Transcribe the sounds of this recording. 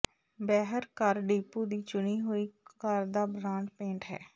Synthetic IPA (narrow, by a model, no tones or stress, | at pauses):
bɛːɦəɾkəɾɖiːpːuːd̪iːt͡ʃʊɳiːɦoːiːkəɾd̪aːbɾãːɳɖpẽːɳʈɦɛ̰ː